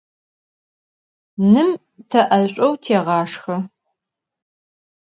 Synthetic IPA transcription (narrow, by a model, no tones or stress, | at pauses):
nɨm | tʰɐʔɐɕʷʼɐwtʰeːʁɑːʂxɐ